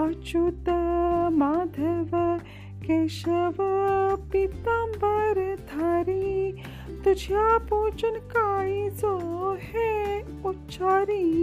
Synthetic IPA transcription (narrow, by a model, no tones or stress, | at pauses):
at͡ʃut̪ːɐmaːd̪ʱɐʋ | keʃɐʋpit̪ambɐɾd̪ʱaɾi | t̪ud͡ʒʱjapoːt͡ʃɐnkaːizohe | utːt͡ʃʰaːɾi